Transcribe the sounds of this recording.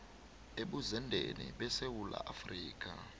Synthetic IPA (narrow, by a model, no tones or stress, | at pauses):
eɓuzɛndʱeniɓɛsewula̰ʔafriːk̬ʼa